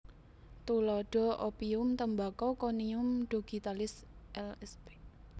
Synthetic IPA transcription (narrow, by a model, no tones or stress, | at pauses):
t̪ulɔɖ̥ɔ̤ʔopiʊmt̪əmbakɔkoniʊmɖ̥oɡ̥i̤t̪alɪsʔɛlɛspe